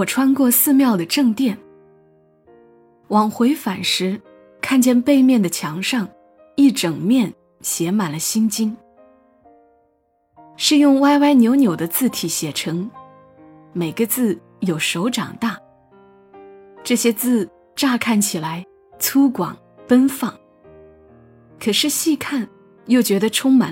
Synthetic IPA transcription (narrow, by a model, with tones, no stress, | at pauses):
wɔ˨˩ʈ͡ʂʰwa˥nkwɔ˥˧sɹ̩˥˧mjɑ˥˩ʊd̪ə˩ʈ͡ʂɤ˥˧ŋt̪jɛ˥˩n | wɑ˨˩ŋxwe˧˥ɪfa˨˩nʂɻ̩˧˥ | kʰa˥˧nt͡ɕjɛ˥˧npe˥˧ɪmjɛ˥˩nd̪ə˩t͡ɕʰjɑ˧˥ŋʂɑ˥˧ŋ | i˥˩ʈ͡ʂɤ˨˩ŋmjɛ˥˩n | ɕjɛ˧˥ma˨˩nlə˦ɕi˥nt͡ɕi˥ŋ | ʂɻ̩˥˧jʊ˥˧ŋwa˥ɪwa˥ɪnjo˧˥ʊnjo˨˩ʊd̪ə˦t͡sɹ̩˥˩t̪ʰi˨˩ɕjɛ˨˩ʈ͡ʂʰɤ˧˥ŋ | me˨˩ɪɡə˦t͡sɹ̩˥˩ | jo˨˩ʊʂo˧˥ʊʈ͡ʂɑ̰˨˩ŋt̪a˥˩ | ʈ͡ʂɤ˥˩ɕjɛ˥t͡sɹ̩˥˧ | ʈ͡ʂa˥˧kʰa˥˩nt͡ɕʰi˨˩la˧˥ɪ | t͡sʰu˥kwɑ̰˨˩ŋ | pə˥nfɑ˥˩ŋ | kʰɤ˨˩ʂɻ̩˥˧ɕi˥˧kʰa˥˩n | jo˥˩ʊt͡ɕɥɛ˧˥d̪ə˧ʈ͡ʂʰʊ˥ŋma̰˨˩˦n